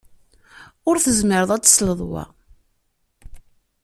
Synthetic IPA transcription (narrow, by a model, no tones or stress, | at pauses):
ʊɾθəzməɾəðˤæt͡sːsləðˤwa̰